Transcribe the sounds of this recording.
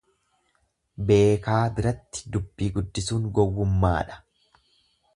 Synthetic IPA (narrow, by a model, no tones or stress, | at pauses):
be̞ːkaːbɪɾɐt̪ːɪ̥d̪ʊbːiːɡʊd̪ːɪsuːŋɡɔwːʊmːa̰ːᶑɐ̥